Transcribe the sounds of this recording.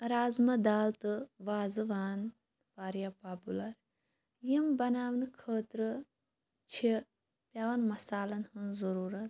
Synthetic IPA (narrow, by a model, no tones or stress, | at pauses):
ɾaːzmɐd̪aːlt̪ɨʋaːzɨʋaːn | ʋaːɾjaːpaːpulɐɾ | jimbɐnaːʋnkʰəːt̪ɾɨ | t͡ʃʰi | pʲjaːʋɐnmɐsaːlɐnhɨnzɐɾuːɾɐt̪